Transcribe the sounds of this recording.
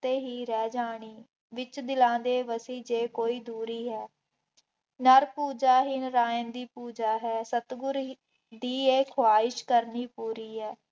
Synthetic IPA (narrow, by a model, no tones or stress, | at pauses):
t̪eːɦiːɾɛːd͡ʒaːɽ̃iː | ʋɪt͡ʃd̪ɪlãːd̪eːʋəsiːd͡ʒeːkoːiːd̪uːɾiːɦɛː | nəɾpuːd͡ʒaːɦɪnɾaːend̪iːpuːd͡ʒaːɦɛːsət̪ɡʊɾ | d̪iːeːkʰoaːɪʃkəɾniːpuːɾiːɦɛː